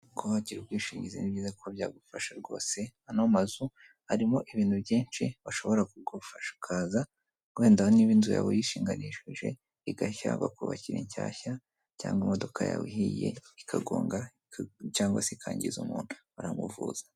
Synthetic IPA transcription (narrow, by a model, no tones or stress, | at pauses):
ɡoβaɟiɾubɡwiːʃiɲɟizinibɟiːzakʰobjaːɡufaʃaɾɡo̞̰ːse̞anomazu | haɾimo̞ʔiβiːntuβjiːnt͡ʃiβaʃo̞βo̞ɾakuɡufaʃḁkʰaːza | we̞ːndahoniβinzuja̰βojiʃiːŋɡaniʃiʒe̞̰ | iɡaça̰βa̰kuβaciɾiɲcaːça | ca̰ːŋɡimodo̞kʰaja̰wḭɦije̞̰ikʰaɡoːŋɡa | caːŋɡwa̰sikʰaːɲɟizumuːn̥u | aɾamuvuːz̥ḁ